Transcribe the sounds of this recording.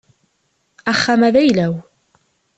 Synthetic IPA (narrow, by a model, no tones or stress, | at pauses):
æχːamæðæjlæw